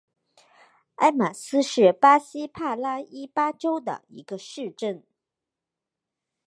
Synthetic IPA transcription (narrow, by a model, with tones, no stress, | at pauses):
a˥ɪma˨˩sɹ̩˥ʂɻ̩˥˩pa˥ɕi˥pʰa˥˧la˥i˥pa˥ʈ͡ʂo˥ʊd̪ə̰˨˩ḭ˧˥ɡ̥ə˧ʂɻ̩˥˧ʈ͡ʂə˥˩n